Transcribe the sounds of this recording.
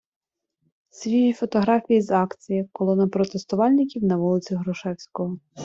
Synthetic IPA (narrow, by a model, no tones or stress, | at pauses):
sʲʋʲijifɔt̪ɔɦɾɑfʲijizɑkt͡sʲijɐkɔlˠɔnɐpɾɔt̪est̪ʊʋɑlʲnɪkʲiwnɐʋulˠɪt͡sʲiɦɾʊʃɛwsʲkɔɦɔ